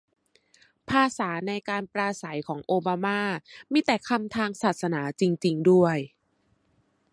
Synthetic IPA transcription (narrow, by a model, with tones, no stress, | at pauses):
pʰaː˧saː˩˦na˧jkaː˧npɾaː˧sa˩˦jkʰɔː˩˦ŋʔoː˧baː˧maː˥˩miː˧˥˩t̪ɛː˨˩kʰa˧mt̪ʰaː˧ŋsaː˨˩t̪̚sa˧naː˩˦t͡ɕi˧ŋt͡ɕi˧ŋdu˥˩əj